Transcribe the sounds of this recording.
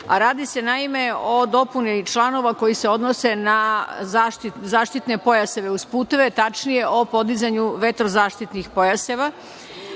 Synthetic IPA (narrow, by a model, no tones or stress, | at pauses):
aɾaːd̪ise̞naimeo̞d̪o̞punit͡ʃlˠano̞ʋako̞jise̞o̞d̪nose̞nazaːʃt̪izaːʃt̪it̪ne̞po̞jaseʋe̞uspuːt̪e̞ʋet̪at͡ʃnije̞o̞po̞d̪izaɲuʋe̞t̪ɾozaːʃt̪it̪nixpo̞jaseʋa